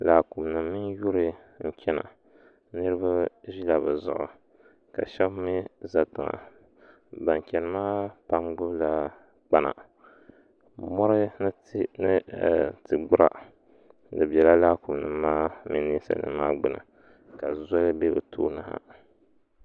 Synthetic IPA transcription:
la˨ku˨mnɨ˨mːɨ˦nju˦ɾɨ˦ | ŋ̩˦t͡ʃʲɛ˦na̰˨ | nɨ˦ɾɨ˦ba˦ʒi˦la˨bɨ˨zʊ̰˨ʔʊ̰˨ | ka̰˨ʃɛ˦bmi˦za˨tɨ˨ŋa̰˨ | ba˨ŋ˨kʲɛ˨nɨ˨maː˦pa˦mɡ͡bʊ˦bla˦ | k͡pa˦na̰˨ | mɔ˦ɾɨ˦ | nɨ˦˨tɨ˨ɡ͡bʊ˦ɾa̰˨ | dɨ˨bɛ˨la˦la˦ku˨mnɨ˨mːaː˦mɨ˦ni˦sa̰˨nɨ̰˨maː˦ɡ͡bɨ˨nɨ̰˨ | ka˨za˦lɨ˦be˦bɨ˨tʰo̰ː˦na˨ha̰˦

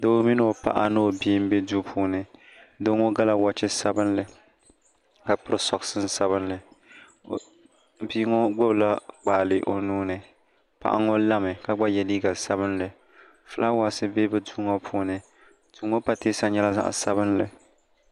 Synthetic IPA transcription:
do˦mi˦n˦o˨pa̰˦ʔa̰˦nɨ˦o˨bi˦m̩˦be˦du˦pʰuː˦nɨ˨ | do˦ŋo˦ɡa˦la˨wa˦t͡ʃɛ˦sa˦bɨ˦nlɨ˨ | ka˨pɨ˦ɾɨ˦sɔ˨ksɨ˦n˦sa˦βɨ˦nlɨ˨ | biː˦ŋɔ˦ɡ͡bo˦bla˦k͡paː˨lɨ˨ʔo˨nuː˦nɨ˨ | pa̰˦ʔa̰˦ŋɔ˦la˦mɨ˨ka˨ɡ͡ba˦jɛ˨liː˦ɡa˨sa˦βɨ˦nlɨ˨ | fɨ˦la˦wa˨sɨ˦be˦bɛ˦duː˦ŋo˦pʰuː˦nɨ˨ | duː˨˦ŋo˦pa˨teː˦sa˦ɲɛ˦la˦za̰˦ʔsa˦bɨ˦nlɨ˨

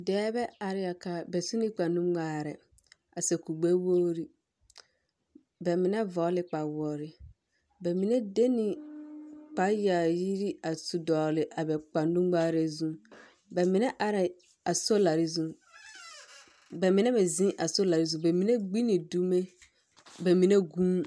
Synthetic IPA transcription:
dɛː˦bɛ˦a˨ɾɪ˦a˨ka˨bɛ˨su˦ni˦k͡pa˨nũ˦ɡ͡baː˦˨ɾɛ̰˨ | a˨sɛ˨ku˨ɡ͡be˦wo˦ɾi˦ | bɛ˨mɪ˨nɛ˦vɔː˨˦lɪ˦k͡pa˨wɔ˨ɾɪ˨ | bɛ˨mi˨ne˦de˦ni˨ | k͡pa˨˦ja˨ji˦ɾi˦a˨su˨dɔː˨lɪ˨ʔa˨bɛ˨k͡pa˨nũ˦ɡ͡baː˦ɾe˨zũ˦ | bɛ˨mɪ̃˨nɛ˦ʔa˨ɾɛ˨ | a˨so˦la˨ɾi˦zũ˦ | bɛ˨mɪ˨nɛ˦bɛ˨zĩ˦ʔa˨so˦la˨ɾi˦zũ˨˦be˨mĩ˨ne˦ɡ͡bi˦nĩ˨du˦me˦ | be˨mĩ˨ne˦ɡũ˦

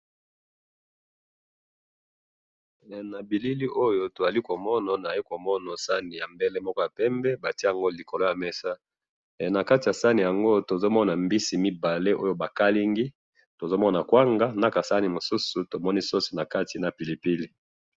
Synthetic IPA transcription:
na˨bi˨li˦li˦ʔo˦jo˦to˨za˨li˦ko˨mɔ˦na˨na˨i˦ko˨mɔ˦na˨sa˦ni˨ja˨mbe˦le˦mɔ˦kɔ˦ja˨pɛ˦mbɛ˦ba˨ti˦a˨ŋɡo˦li˨ko˨lo˦ja˨mɛ˦sa˦˨ | na˨ka˦ti˨ja˨sa˦ni˨ja˨ŋɡo˦to˨zo˦mɔ˦na˨mbi˦si˨mi˦ba˨le˦ʔo˦jo˨ba˨ka˦li˦ŋɡi˦ | to˨zo˦mɔ˦na˨kwa˦ŋɡa˦na˦ka˨sa˦ni˨mo˨su˦su˨to˨mɔ˦ni˦su˦su˨na˨ka˦ti˨na˨pi˨li˨pi˦li˦

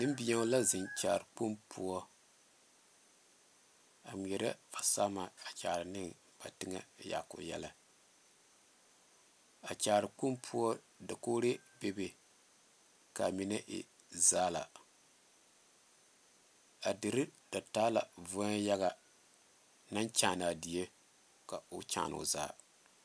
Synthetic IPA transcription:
nɨ˦m˦bi˦a˦la˦zɪ˨nt͡ʃa̰ː˨ɾɨ˨k͡pu˦mpʰu˦ɔ˦ | a˨m˨jɛ˨ɾa˦v̥a˨saː˦ma˨a˨t͡ʃaː˨ɾɨ˨nɨ˦ŋ | b̥a˨tɨ˦ŋa̰˦ja̰˨ko̰˨jɛ̰˦la˦ | a˨t͡ʃaː˨ɾɨ˨k͡pu˦mpʰu˦ɔ˦ | da˨koː˦ɾe˦be˦be˨ | ka˨mi˨na˦ʔɪ̰˨ | zaː˦la˨ | a˨dɨ˨ɾɪ˦da˨taː˦la̰˨vʊ˦a˦ja˦ɣa˨ | na˦nt͡ʃaː˨na˨di˨je˦ | ka˨ʊ˦t͡ʃa̰˨˦˨nʊ̰˨za̰ː˦˨

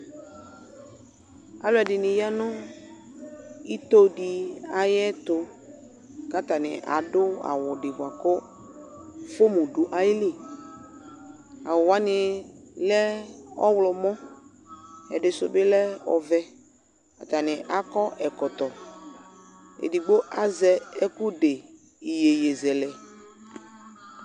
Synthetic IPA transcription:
a˨lʊ˦ɛ˨dɪ˨nɪ˨ja˦nʊ̃˦ | i˦t̪o˦di˨a˨jɛ˦t̪ʊ˨ | ka˦t̪a˨nɪ̰̃˨ʔa̰˨dʊ˦a̰˨wʊ˨dɪ˨ba˨kʊ˦ | fʊ˦mũ˨dʊ˨ʔa˨jɪ˦lɪ˦˨ | a˨wʊ˨wa˦nɪ˨lɛ˦ɔ˦wlɔ˨mɔ̃˦ | ɛ˨ɖɪ˨sʊ̰˨bɪ˦lɛ˦ɔ̰˨vɛ˦ | a˨t̪a˨nɪ˨ʔa˨kɔ˦ʔɛ˨kɔ˨t̪ɔ˨ | ḛ˨di˨ɡ͡bo˦ʔa˨zɛ˦ɛ˦ku˦ɖe˨ | i˨je˨je˨zɛ˨lɛ˨

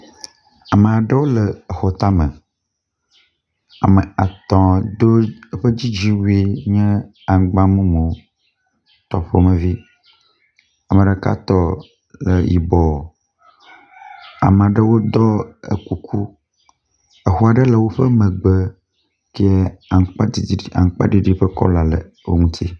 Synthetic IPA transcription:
a˨mə˨a˨ɖə˦wo˦lə˨ə˨xɔ˨t̪a˦mə̃˨ | a˨mə˨a˨t̪ɔ̃˨d̪o˦ə˦ɸə˦d͡ʑi˦d͡ʑi˦wu˦e˦ɲɛ̃˦ | a˨ɡ͡bã˦mũ˦mõ˨ | t̪ɔ˨ɸo˦mə̃˨vi˦ | a˨mə̃˨ɖə˨ka̰˦t̪ɔ˦ | lə˨jḭ˨bɔ˨ | a̰˨m˨a˨ɖɛ˦wo˦d̪ɔ˦ḛ˨ku˨kʰu˦ | e˨xu˦a˨ɖɛ˦lɛ˨wo˦ɸə˦mɛ̃˨ɡ͡be˨ | ke˦a˨ŋ˦k͡pa˦˨a̰˨ŋ˨˦k͡pa̰˦ɖi˦ɖi˦ɸə˦kɔ̰˦la˨lḛ˨ | wo˦ŋũ˦t̪ʰi˦

